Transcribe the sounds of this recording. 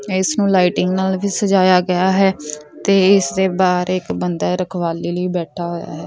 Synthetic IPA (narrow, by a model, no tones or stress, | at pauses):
ɪsnũːlaːɪʈɪŋɡnaːlbiːsəd͡ʒaːjaːɡɪjaːɦɛːt̪eːɪsd̪eːbaːɾɪkbənd̪aːɾəkʰʋaːliːləiːbɛːʈʰaːɦoːja̰ːɦɛː